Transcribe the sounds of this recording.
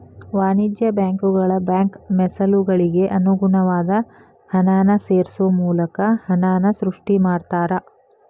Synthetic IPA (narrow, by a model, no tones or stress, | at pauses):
ʋaːnid͡ʒjɐbjaːŋkuɡɐɭɐbjaːŋkmɛsɐluɡɐɭiɡe̞ʔɐnuɡunɐʋaːd̪ɐ | hɐnaːnɐseːɾsuʋɐmuːlɐkɐhɐnaːnɐsɾuʂʈimaːɽt̪aːɾɐ